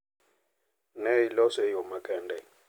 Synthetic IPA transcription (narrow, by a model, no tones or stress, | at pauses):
nɛilɔsɛjɔmakɛndʱɛ